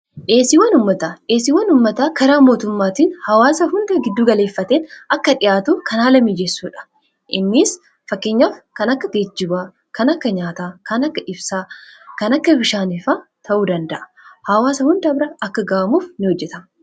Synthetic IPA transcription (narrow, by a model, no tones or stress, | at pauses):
ʔeːsɪwɐnʊmːɐt̪aːᶑeːsɪːwːɐnʊmːɐt̪aːkɐɾaːmo̞ːt̪ʊmːaːt̪iːnhɐwaːsɐhʊnd̪ɐɡɪd̪ːuːɡɐle̞ːfːɐt̪eːnɐkːɐᶑɪjʔaːt̪uːkʰɐnaːlɐmiːd͡ʒɛsːuːᶑɐ̥ | ʔɪnːiːs | fɐkːe̞ːɲːaːfkɐnɐkːɐɡed͡ʒːɪbaː | kɐnɐkːɐɲaːt̪aːkɐnɐkːɐʔɪbsaːkɐnɐkːɐbɪʃaːnɪfaːt̪ʰɐʔuːd̪ɐnd̪ɐʔɐ̥ | hɐwaːsɐhʊnd̪ɐbɾɐʔɐkːɐɡaːɐmuːfnɪhɔd͡ʒːɛt̪ɐ